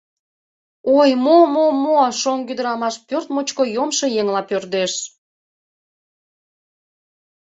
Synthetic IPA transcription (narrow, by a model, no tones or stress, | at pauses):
ojmomomoɑʃoŋkyd̪əɾɑmɑʃpørt̪mot͡ɕkojomʃojeŋlɑpørd̪eʃ